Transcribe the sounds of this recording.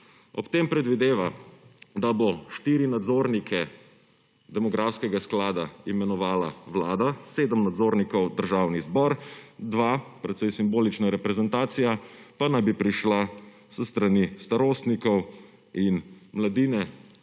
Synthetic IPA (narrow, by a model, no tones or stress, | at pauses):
ɔpt̪empɾɛd̪ʋid̪eːʋad̪abɔʃt̪iɾinad̪zoːɾnikʰɛ | d̪ɛmɔɡɾawskɛɡasklaːd̪aimɛnɔʋaːla̰ʋlaːd̪aseːd̪əmnad̪zoːɾnikɔwd̪əɾʒaːwnizbɔɾd̪ʋapɾɛt̪sɛjsimboːlit͡ʃnaɾɛpɾɛzɛnt̪aːt̪sijapanajbipɾiʃla | səst̪ɾanist̪aɾoːst̪nikɔw | inmlad̪iːnɛ